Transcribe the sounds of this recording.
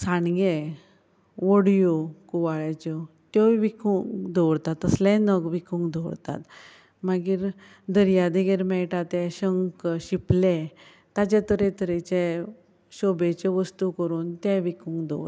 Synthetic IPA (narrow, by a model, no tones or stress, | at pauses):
sãnɡe | ʋɔɽjokuʋaɭat͡ɕɔ | t̪jɔʋikuŋɡd̪ʱɔɽt̪at̪əslɛ̃nəkʋikʰũŋɡd̪ʱɔɽt̪a̰t̪ | maɡiːɾ | d̪əɾjad̪eɡeɾmɛʈat̪ɛ̃ɕəŋkɕiplɛ | t̪at͡ɕet̪əɾet̪əɾɛt͡ɕɛ | ɕɔbet͡ɕeʋəst̪ukəɾuːnt̪ɛ̃ʋikʰũŋɡd̪ʱɔ̰